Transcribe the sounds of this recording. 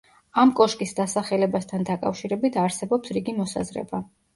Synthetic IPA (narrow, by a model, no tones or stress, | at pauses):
amkʼɔʃkʼisd̪asaχɛlɛbast̪ʰand̪akʼa̰fʃiɾɛbit̪ʰaɾsɛbɔpsɾiɡimɔsa̰zɾɛ̰ba